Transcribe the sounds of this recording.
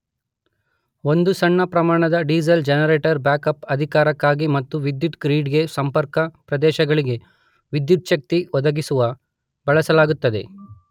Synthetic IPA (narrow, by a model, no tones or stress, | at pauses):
o̞nd̪usɐɳːɐpɾɐmaːɳɐd̪ɐɖiːzɐld͡ʒɐnɐɾeːʈɐɾbjaːkɐpɐd̪ʱikaːɾɐkːaːɡimɐt̪ːuʋid̪jut̪kɾiːɖɡe̞sɐmpɐɾkɐpɾɐd̪ɛːʃɐɡɐɭiɡe̞ | ʋid̪jut̪̚ʃɐk̚t̪iɔd̪ɐɡisuʋɐ | bɐɭɐsɐlaːɡut̪ːɐd̪e̞̰